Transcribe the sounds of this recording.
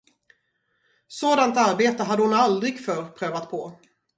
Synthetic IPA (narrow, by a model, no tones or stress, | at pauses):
soːd̪ant̪aɾbeːt̪əɦad̪ːəhʊnald̪ɾɪɡfœːɾpʰɾøːvat̪pʰɔ